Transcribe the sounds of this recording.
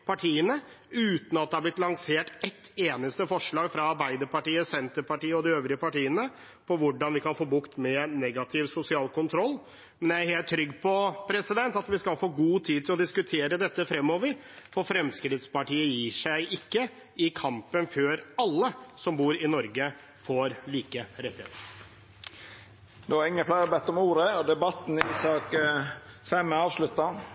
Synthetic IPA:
pʰɑʈʰiːənə | ʉːt̪n̩ɑt̪̚d̪ɛɑɾblɪt̪lɑŋseːʈɛt̪ːeːnəst̪əfɔʂɭɑːɡfɾɑɑɾbæɪd̪əɾpɑʈiːəsɛnt̪əɾpɑʈiːəɔd̪ɪøːʋɾɪəpɑʈiːənə | pʰɔʋʊɖɑnʋɪkɑnfoːbʊkt̪mɛnɛɡɑt̪ʰɪʋsʊsɪɑːlkʊnt̪ʰɾɔlː | mɛnjææɾheːlt̪ʰːɾʏɡːpʰɔpʰɾɛsɪd̪ɛnt̪ɑt̪ʋɪskɑlfoːɡuːt̪ʰiːd̪̚t̪ɪlɔd̪ɪskʉt̪ʰeːɾəd̪ɛt̪ːəfɾɛmːɔːʋəɾ | fɔɾfɾɛmskɾɪd̪spɑʈiːəjiːʂæɪʔɪkːə | ɪkʰɑmpənføːɾɑlːəsɔmbuːɾɪnɔɾɡə | foːɾliːkəɾɛt̪ːɛ̰t̪ | d̪ɛʋɑɾɪŋːəflæɪɾəbɛt̪ːɔmuːɾəɔd̪ɛbɑt̪ːn̩ɪiːsɑːk | fɛmːɑːʋslʉt̪ːɑ

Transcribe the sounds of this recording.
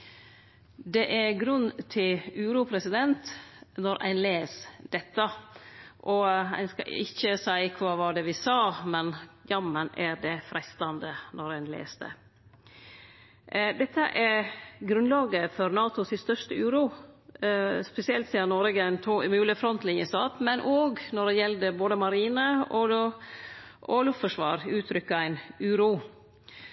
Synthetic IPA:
d̪ɛʔæɾɡɾʉnt̪ʰɪlʉːɾuːpʰɾɛsɪd̪ɛnt̪nɔɾʔæ̰ɪnleːsd̪̥ɛt̪ːə | ʔɔæ̰ɪnskɑ̰ɪçːəsæɪkʰʋɑːʋɑːd̪ɛʋɪsɑːmɛnjɑmənæɾd̪ɛfɾʔɛst̪ɑnd̪ənɔɾæɪnlḛːsd̪ə̰ | d̪ɛt̪ʰːə̰ʔæɾɡɾʉnlɑːɡəfɔɾnɑːt̪ʊsɪst̪œʂtəʉːɾuː | spɛsɪɛlt̪siːɑnɔɾɪɡənt̪ʰuʉmʉːlɪfɾɔnt̪lɪŋjəst̪ɑːt̪mɛnʔoːɡnɔɾɖɛjɛld̪əboːd̪əmɑɾiːnəɔ | ʔɔlʉfɔʂʋɑ̰ːɾʉːt̪ʰɾʏkːəæɪnʉːɾuː

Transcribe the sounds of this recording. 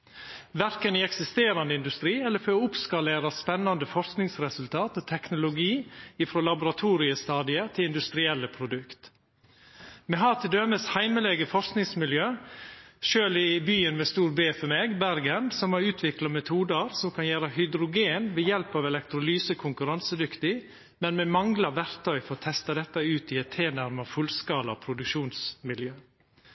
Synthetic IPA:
ʋæɾkənɪɛksɪst̪eːɾɑnəɪnd̪ʉst̪ɾiːɛlːəføʊpskɑleːɾɑspɛnːɑnd̪əfɔɾsknɪŋsɾɛsʉlt̪ʰɑːt̪ɔt̪ʰɛknʊlʊɡiːɪfɾoːlɑbʊɾɑt̪ʰuːɾɪəst̪ɑːd̪ɪət̪ʰɪlɪnd̪ʉst̪ɾɪɛlːəpʰɾʊd̪ʉkt̪ | mɛɦɑt̪ʰɪld̪øməshæɪməlɛɡəfɔɾsknɪŋsmɪljøː | ʃøːlɪbyːənmɛst̪uːɾbeːfɔmeːɡbæɾɡənsɔmɑɾʉːt̪ʰʋɪklɑmɛt̪ʰuːd̪əɾsɔmkʰɑnjæːɾəhʏd̪ɾʊɡeːnʋɛjɛlpɑʋɛlɛkt̪ɾʊlyːsəkʰʊŋkʉɾɑnsəd̪ʏkt̪ɪ | mɛnmɛmɑŋlɑʋæɾt̪ʰœʏfɔɾɔt̪ʰɛst̪ɑd̪ɛt̪ːəʉːt̪ɪɛt̪ʰːeːnæɾmɑfʉlskɑːlɑɔpʰɾʊd̪ʉkʃuːnsmɪljøː

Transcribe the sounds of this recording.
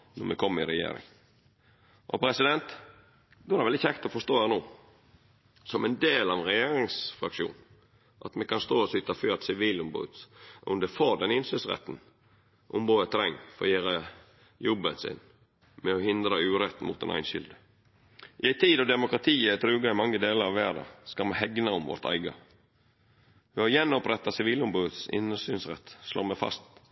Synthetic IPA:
nɔɾmɛkʰɔmːəɪɾɛjḛːɾɪ̰ŋ | ʔɔpʰɾɛsɪd̪ɛnt̪ | d̪ɔhɑɾʋɛlɪçːəɛkt̪ɔfɔst̪oːhæːɾnoː | sɔmɛnd̪eːlɑʋɛnɾɛjeːɾɪŋsfɾɑkʃṵːn | ʔɑt̪mɛkɑnst̪oːɔsʏt̪ɑføːɑt̪sɪʋiːlʊmbo̰ːɔ̰md̪ɛfoːd̪ɛnɪnsœsʁɛ̰t̪ːn̩ | ʔʊmboːd̪ət̪ʰːɾɛŋːfɔɾɔjeːɾə | jɔbːənsɪ̰n | mɛɔhɪnd̪ɾəʉːɾɛt̪ːnmʊt̪d̪ɛ̰nʔæ̰ɪnʃʏld̪ə | ʔɪæɪt̪ʰiːd̪ɔd̪ɛmʊkɾɑt̪ʰiːəæt̪ʰɾʉːɡɑɪmɑŋːəd̪eːləɾɑʋæːɖɑ̰skɑlmɛɦɛɡnɑʊmʋɔ̰ɾt̪ʰæ̰ɪɡɑ̰ | ʋɪhɑjɛnːɔpɾɛt̪ːɑsɪʋiːlʊmbʉːət̪sɪ̰nsyːnsɾɛ̰t̪ːslo̰ːmɛfɑ̰st̪

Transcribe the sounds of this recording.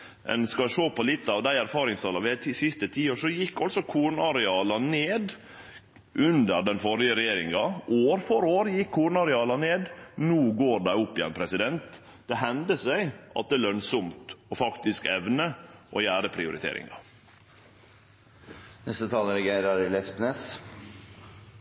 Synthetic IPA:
ʔɛ̰nskɑʂoːpʰɔlɪt̪ːɑʋd̪æɪæɾfɑːɾɪŋst̪ɑlɑʋɪæt̪ʰisɪst̪ət̪ʰiːoːʂɔjɪkːɑlsɔkʰuːɾɳɑɾɛɑːlɑneːd̪ | ʔʉnd̪əɾɖ̪ɛnfɔɾɪəɾɛjeːɾɪ̰ŋɑʔoːɾfɔɾoːɾjɪkʰːuːɾɳɑɾɛɑːlɑneːd̪nuːɡoːɾɖæɪʊpːɪjɛ̰npʰɾɛsɪd̪ɛnt̪ | d̪̥ɛɦɛnd̪əsæɪʔɑ̰t̪̚d̪ɛæːlœnsɔmt̪ɔfɑkt̪ɪskɛʋnəʔɔjæːɾəpʰɾɪʊɾɪ̰t̪ʰḛːɾɪ̰ŋɑ | nɛst̪ət̪ʰɑːləɾɛɡeɪɾɑɾlɛspnes

